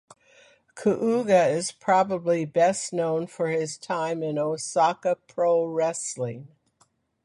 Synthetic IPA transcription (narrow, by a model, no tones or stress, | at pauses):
kʰəʔuɡɨɪz̥pʰɹ̥ɑbəblibɛsnõʊ̃nfə˞ɪz̥tʰãɪ̃mɪ̃noʊsɑkəpʰɹ̥oʊɹɛslɪ̃ŋ